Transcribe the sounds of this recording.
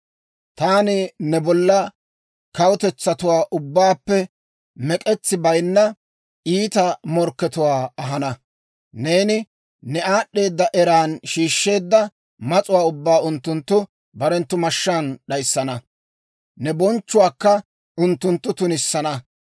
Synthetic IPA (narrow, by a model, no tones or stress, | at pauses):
t̪aːnɪnɛbɔlːɐ | kɐwʊt̪ɛt͡sːɐt̪ʊwaːʔʊbːaːpːɛ | mɛkʼɛt͡sːɪbɐjnːɐ | iːt̪ɐmɔɾkːɛt̪ʊwaːɐɦɐnɐ | ne̞ːnɪ | nɛaːɗːe̞ːd̪ːɐʔɛɾaːnʃiːʃːe̞ːd̪ːɐ | mɐt͡sʼʊwaːʊbːaːʊnt̪ːʊnt̪ːʊ | bɐɾɛnt̪ːʊmɐʃːaːnɗɐjsːɐnɐ | nɛbɔnt͡ʃːʊwaːkːɐ | ʊnt̪ːʊnt̪ːʊt̪ʊnɪsːɐnɐ